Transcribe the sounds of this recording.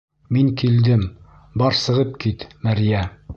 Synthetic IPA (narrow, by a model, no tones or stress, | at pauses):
miŋkild̪ɘm | bɒɾsɤ̆ʁɤp̚kit̪mæɾjæ